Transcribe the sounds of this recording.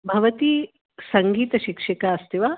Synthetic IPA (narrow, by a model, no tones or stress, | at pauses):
bʱɐʋɐt̪i | sɐŋɡiːt̪ɐʃikʂikaɐst̪iʋa